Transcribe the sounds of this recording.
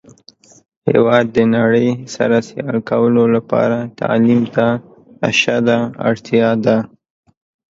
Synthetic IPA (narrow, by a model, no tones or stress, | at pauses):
hḛwɑd̪ːənaɽəjsa̰ɾasealkawəlolapɑ̰ɾat̪ɑ̰limt̪a | aʃad̪aa̰ɽt̪jɑd̪a